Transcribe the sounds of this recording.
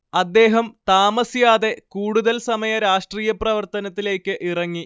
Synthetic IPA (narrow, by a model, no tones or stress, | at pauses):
ɐd̪ːe̞ːɦɐmt̪aːmɐsjaːðe̞kuːɽuðɐlsɐmɐjɐɾaːʂʈriːjɐprɐʋɐrt̪ɐnɐt̪ːile̞ːkʲːɨʔirɐŋːi